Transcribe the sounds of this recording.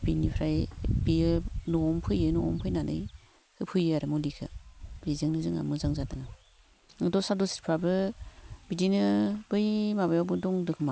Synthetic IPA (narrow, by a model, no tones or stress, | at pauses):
binipʰɾajbiɯnɔɔŋpʰɯjɯnɔɔ̰mpʰɯjnanʔɯ̰j | hɯpʰɯjaɾɯmulikʰɯ̰bizɯŋnɯzɯŋa̰mɯzaŋzadɯŋa | ŋɯdɔsadɔsi̥t̚pʰɾabɯbidinɯbɯjmabajawbɯdɔŋdɯkʰɯma